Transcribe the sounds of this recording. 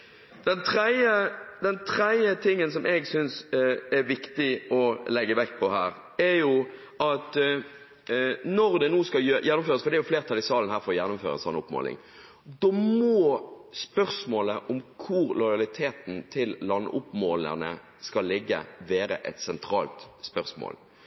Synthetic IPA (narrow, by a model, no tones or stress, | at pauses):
d̪̥ɛnt̪ʰʁɛɪəd̪ɛnt̪ʰɾæɪət̪ʰɪŋːəns̬ɔmʔɛɡsʏnsɛɾʋɪkt̪ɪɔlɛɡːəʋɛkːpʰɔhæːɾ | ɛɾjʊ | ʔɑt̪ | nɔʁd̪ɛnuːskɑjøjʔɛnːʊmføːʁəsfɔʁd̪ɛjʊfleːʁt̪ʰɑlɪsɑːlənhæːɾfɔʁɔjɛnːʊmfø̰ːɾə̰sɑ̰nːʊ̰pmo̰ːlɪ̰ŋ | d̪ɔːmɔːspœʁsmoːləʔɔmkʰʊɾlɔɪɑlɪt̪ʰeːt̪n̩t̪ʰɪlːɑnːʔʊpmoːlə̰nə̰ | skɑlːɪɡːə̰ʋeːɾə̰ʔɛ̰t̪sɛnt̪ʰʁɑːlt̪spœʁsmo̰ːl